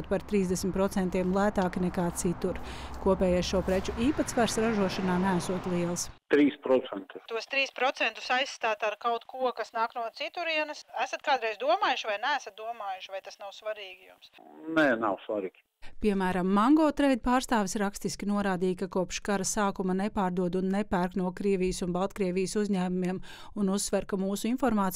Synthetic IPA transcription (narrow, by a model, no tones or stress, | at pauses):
t̪̚paɾt̪ɾiːzd̪ɛsmʲt̪pɾɔt̪sɛnt̪iɛmlˠæːt̪aːkinɛkaːt̪sit̪uɾkuɔpɛːjasʃuɔpɾɛt͡ʃuʔiːpat̪sʋaɾsɾaʒuɔʃanaːnææsuɔt̪lˠiɛlˠst̪ɾiːspɾɔt̪sɛnt̪ɪt̪uɔst̪ɾiːspɾɔt̪sɛnt̪ʊ̥sajsːt̪aːt̪aɾkawt̪kuɔkasnaːknuɔt̪sit̪uɾiɛnɐsæsɐt̪kaːd̪ʊɾɛjzd̪uɔmaːjʊʃvajnæːsɐt̪̚d̪uɔmaːjʊʃvajt̪asnawsʋaɾiːɡijṵmsnɛnawsʋaɾiːɡ̥ʲ | piɛmæːɾamːaŋɡɔːt̪ɾɛjd̪̚paːɾst̪aːʋɪsɾakst̪iskʲinuɔɾaːd̪iːjkakuɔpʃkaɾɐsaːkumanɛpaːɾd̪uɔd̪unːɛpæɾknuɔkɾiɛvijsunbalˠt̪kɾiɛvijəsuzɲæːmumiɛm | unusːʋɛɾkamuːsuinfɔɾmaːt̪s